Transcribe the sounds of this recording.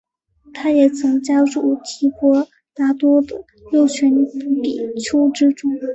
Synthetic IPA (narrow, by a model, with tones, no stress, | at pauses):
t̪ʰa˥jɛ˨˩t͡sʰɤ˧˥ŋt͡ɕja˥ʈ͡ʂu˥˩t̪ʰi˧˥xʰwɔ˧˥ | t̪a˥t̪wɔ˥d̪ə˨ | ljo˥˩ʊt͡ɕʰɛ˧˥npi˨˩t͡ɕʰjo˥ʊʈ͡ʂɻ̩˥ʈ͡ʂʊ˥˩ŋ